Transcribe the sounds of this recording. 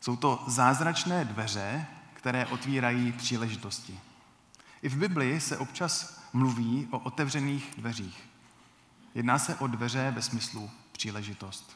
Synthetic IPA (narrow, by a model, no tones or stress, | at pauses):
so̞wt̪o̞zaːzɾat͡ʃnɛːdvɛr̝ɛkt̪ɛɾɛːʔo̞t̪viːɾajiːpr̝̥iːlɛʒɪt̪o̞scɪ | ʔɪvbɪblɪsɛʔo̞pt͡ʃasmluviːʔo̞ʔot̪ɛvrɛniːxdvɛriːx | jɛdnaːsɛʔo̞dvɛr̝ɛvɛsmɪslupr̝̥iːlɛʒɪt̪o̞st̪